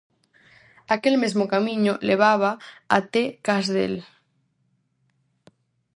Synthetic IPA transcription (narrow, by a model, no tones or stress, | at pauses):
akelmezmokamĩɲoleβ̞aβ̞aat̪ekazðḛl